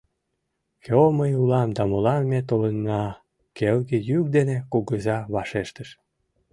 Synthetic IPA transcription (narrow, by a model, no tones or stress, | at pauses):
kʰoməjulɑmd̪ɑmolɑmːet̪olənːɑ | kelɣejyk̚d̪enekuɣəzɑβɑʃeʃt̪əʃ